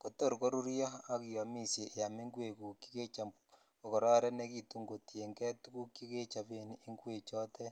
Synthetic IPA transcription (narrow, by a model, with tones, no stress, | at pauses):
ko˨to˦˨ɾu˨ko˦ɾu˦ɾjo˦a˦ki˨ja˨mi˦sje˨ʔːja˨meŋɡwe˨ku˨ki̥˦ɣe˦t͡ʃa | o˨ko˨ɾɔ˦ɾe˦ne˦kitu˦ŋɡo˨ti˨e˨ŋɡe˦tuku˦ki˦ɣe˦t͡ʃa˨βeniːŋɡwe˨t͡ʃo˦te˦